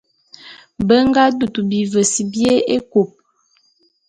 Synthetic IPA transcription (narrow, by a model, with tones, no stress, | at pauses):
bə˦ŋ˦ɡa˦du˨tu˨bi˨və˨si˨bje˦e˦ko˨p̚